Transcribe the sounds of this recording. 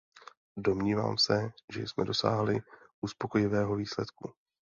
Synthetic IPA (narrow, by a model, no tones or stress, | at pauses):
do̞mɲiːva̰ːmsɛʒɛ̰jsmɛ̰do̞sa̰ːɦlɪʔuspo̞ko̞jɪvɛːɦo̞viːslɛt̪ku